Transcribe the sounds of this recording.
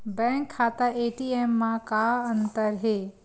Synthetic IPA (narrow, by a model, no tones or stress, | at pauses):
bɛ̃ːŋkʰːaːt̪aeːʈiːeːmːãkaːɐnt̪əɾɦeː